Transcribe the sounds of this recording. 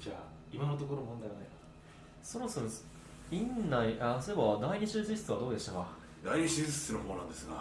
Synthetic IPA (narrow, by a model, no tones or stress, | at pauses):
d͡ʑaː | imano̞t̪̬okoɾomõnd̪ajanaja | soɾosoɾos | ĩnːaiʔasoebad̪aiɲ̟iɕizɨɕi̥t͡sɨβad̪o̞ːd̪e̞ɕi̥t̪aka | d̪aiɲisizɨ̥tɨnoɦoːnãnd̪esɨɡa